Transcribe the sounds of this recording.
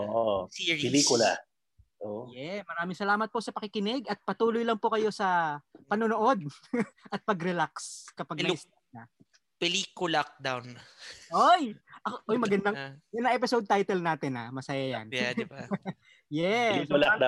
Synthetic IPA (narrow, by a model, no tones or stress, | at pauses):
ʔoʔosiɹilikʊla̰ | ʔojɛsmɐɾaːmɪŋsɐlaːmɐt̪̚po̞sɐpɐkɪkɪnɪɡɐt̪̚pɐt̪uːlojlɐŋpokɐjo̞sɐpɐnonoʔo̞d̪̚ʔɐt̪̚pɐɡɾɛlakskɐpaɡ̪ɐɪsanɐ | pɛliːkʊlak̚d̪awnʔojʔɐkoʔojmɐɡɐnd̪aŋmɐɡɐnd̪ɐŋʔɛp̬ɪsowd̪̚t̪ajt̪ɛlnaːt̪ɪna̰mɐsɐjaja̰njdɪba | jɛlad̪